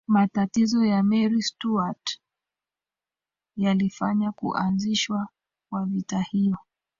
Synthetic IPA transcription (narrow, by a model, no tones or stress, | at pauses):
matatizɔjamɛɾistuat | jalifaɲakṵʔanziʃwa | kwavitahijɔ